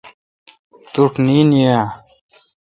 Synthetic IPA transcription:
t̪uʈniːnija

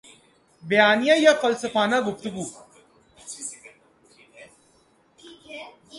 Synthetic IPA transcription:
bɐjaːnijãjafəlsəfaːnaɡʊft̪əɡuː

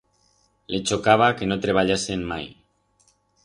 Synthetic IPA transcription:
let͡ʃokaβ̞akenot̪ɾeβ̞aʎasemmaj

